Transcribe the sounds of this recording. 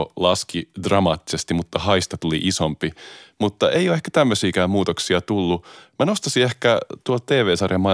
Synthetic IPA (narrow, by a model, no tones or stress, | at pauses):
lɑskidrɑmɑ̰ːt̪ːi̥sest̪imut̪ːɑhɑist̪ɑt̪ulḭʔisompimut̪ːɑʔeijoehkæ̥t̪æmːøsiːkæːmuːt̪oksiɑt̪ulːumænost̪ɑsiehkæt̪uolt̪̚t̪eːʋeːsɑrjɑmɑ